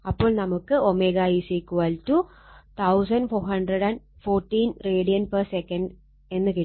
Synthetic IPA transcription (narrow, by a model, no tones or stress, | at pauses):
ɐpːo̞ːɭnɐmukːɨomeɣaːjiːsikːuʋaːltu | t̪ʰɐws̬ɐnɖfoːhɐɳɖrɐɽɐn | fo̞ːrʈːiːnreːɽijɐnpɐrsekːɐnɖ | e̞nːɨki